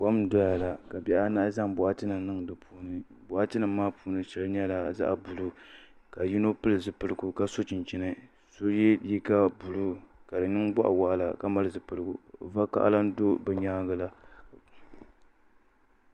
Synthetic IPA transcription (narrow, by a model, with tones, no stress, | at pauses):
ba˦m˦dɔ˦ja˨la˨ka˨bɛ˦ʔa˦na˦ʔza˦mbʊ˨ʔa˦tɨ˦nɨ˨mnɨ˦ŋ˨dɨ˨pʰuː˦nɨ˨ | bʊ˨ʔa˦tɨ˦nɨ˨mː˦aː˦pu˦nɨ˦ʃɛ˦lɲɛ˦la˨za̰˦ʔa˨bu˨lu˦ka˨ji˦no˦pɨ˦lɨ˨zɨ˨pɨ˦lɨ˨ɡu˨ka˦so˦t͡ʃɪ˨nt͡ʃi˦nɨ˦ | so˦jɛ˦ji˦ka˦bu˨lu˦ka˨dɨ˨nɨ˦ŋba˦ʔa̰˨wa˦ʔa˨la˨ka˦ma˦lɨ˦˨zɨ˨pɨ˦lɨ˦ɡṵ˨va˦ka̰˦ʔa̰˦la˦n˦do˦bɛ˨ɲaː˦ɡa˦la˦